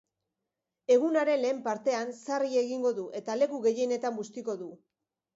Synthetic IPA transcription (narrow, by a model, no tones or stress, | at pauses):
e̞ɣ̞unaɾe̞nle̞ːmpaɾt̪e̞ansarie̞ɣiŋɡo̞ðuʔe̞t̪ale̞kuɣe̞jene̞t̪ambust̪iko̞ðu